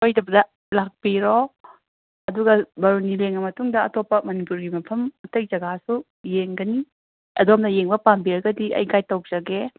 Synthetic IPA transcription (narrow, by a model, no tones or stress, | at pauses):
ojdɐbɐdɐ | lak̚piɾo | ɐduɡɐbɐɾunileŋɐmɐtuŋdɐɐtopːɐmɐnipuɾɡimɐpʰɐmɐtɐjzɐɡasu | jeŋɡɐni | ɐ̰domndɐjeŋbɐpambiɾɐɡɐdiɐ̰jɡajtɐw̚d͡ʒɐɡe